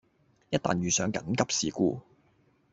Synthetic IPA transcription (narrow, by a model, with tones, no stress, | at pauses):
jɐ˥t̚t̪a̰ː˨njyː˨˩sœː˨˧ŋkɐ˨˥nkɐ˥p̚sḭː˨˩kuː˧